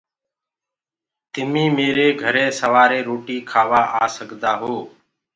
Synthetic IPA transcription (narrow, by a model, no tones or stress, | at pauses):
t̪ɪmĩːmeːɾeːɡʱəɾeːsəʋaːɾeːɾoːʈiːkʰaːʋaːʔaːsəɡʱd̪aːɦoː